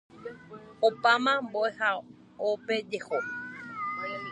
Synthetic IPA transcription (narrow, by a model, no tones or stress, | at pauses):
opamãmboʔeha | oped͡ʒeho